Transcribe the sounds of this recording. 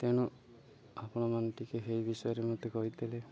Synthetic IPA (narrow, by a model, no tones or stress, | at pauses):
t̪eɽ̃u | apɔɽ̃ɔmanɔtikeɦejbisɔjɔɾemɔt̪ekɔɦit̪ele